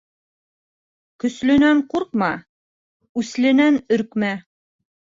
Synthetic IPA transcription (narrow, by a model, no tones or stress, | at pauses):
kɵ̆slɵ̆næɴquɾq̚mɑ | ʉslɘ̆nænɵ̆ɾkmæ